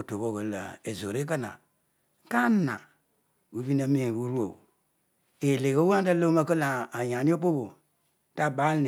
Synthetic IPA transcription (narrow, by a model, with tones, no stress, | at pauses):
to˨βo˦ɣə˨la̰˨e˨zo˨ɾe˦ka˦na̰˨ | ka˦na̰˨ | u˨vi˦na˦me˦˨wu˦ɾu˦o̰˨ | e˨le˨ɡo˦wa˦ta˦lo˦ma˦kə˦la˨a˨ja˨ni˦o˦po˦bo˨ | ta˦˨ba˦ln˨